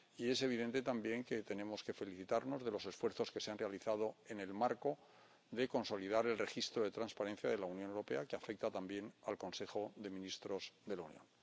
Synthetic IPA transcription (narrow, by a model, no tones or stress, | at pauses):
ie̞se̞β̞iðe̞nt̪e̞t̪ambje̞ŋke̞t̪e̞ne̞mo̞ske̞fe̞liθit̪aɾno̞zðe̞lo̞se̞sfwe̞ɾθo̞ske̞seanre̞aliθað̞o̞e̞ne̞lmaɾko̞ | ðe̞ko̞nso̞lið̞aɾe̞lre̞xist̪ɾoðe̞t̪ɾanspaɾe̞nθjaðe̞launjonewɾo̞pe̞akeafek̚t̪at̪ambje̞nalko̞nse̞xo̞ðe̞mĩnist̪ɾo̞zðe̞launjo̰n